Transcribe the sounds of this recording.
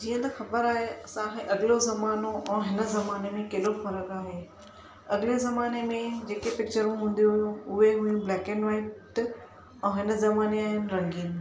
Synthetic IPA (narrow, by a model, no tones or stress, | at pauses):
d͡ʑiːə̃t̪ɐxɐbəɾaːɦeɐsãːɦeʔɐɡɪlozɐmaːnoʔɛ̃ːɦɪnə̆zɐmaːnemẽkeːlofɐɾəkaːɦeː | ɐɡɪlezɐmaːnemẽd͡ʑeːkepɪk̚t͡ɕəɾũɦũːn̆d̪ijũʊɦeɦuːũblɛːkɪnʋaːɪʈ | ɛ̃ːɦɪnə̆zɐmaːneaːɦɪnɪ̆ɾɐ̃ŋɡiːn